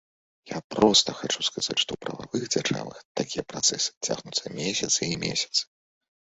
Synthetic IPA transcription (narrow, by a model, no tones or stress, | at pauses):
japɾɔst̪ɐxat͡ʂuskaz̥at͡sʲʂt̪ɔupɾɐ̰vavɨɣd͡zʲaʐa̰vɨ̰xt̪akʲijɛpɾat̪sɛsɨ̥t͡sʲa̰ɣnut̪sɐmʲesʲɐt̪sɨimʲḛsʲɐ̥t̪sɨ̥